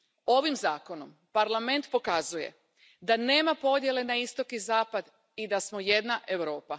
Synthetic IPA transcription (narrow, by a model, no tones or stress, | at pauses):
o̞ʋimzaːko̞no̞m | paɾlˠame̞nt̪po̞kazuje̞̰ | d̪ane̞ːmapo̞d̪je̞le̞naist̪o̞kizaːpad̪ | id̪asmoje̞d̪naʔe̞ʋɾo̞ːpa